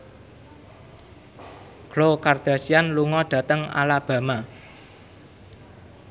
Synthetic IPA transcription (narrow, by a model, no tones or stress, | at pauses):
ɡ̥lokard̪̥ä̤sianluŋɔɖ̥ä̤t̪əŋa̰lab̥a̤ma